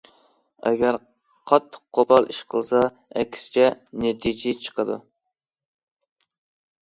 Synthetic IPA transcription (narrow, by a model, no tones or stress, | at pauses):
ɛ̰ɡʲæɾ | qʰɑt̪ʰːə̥qʰːobɑlˠiʃqʰəlˠsɑ | ɛ̰kʲʰsɪ̥t͡ʃʰɛnet̪ʰid͡ʒet͡ʃʰə̥qʰəd̪ṵ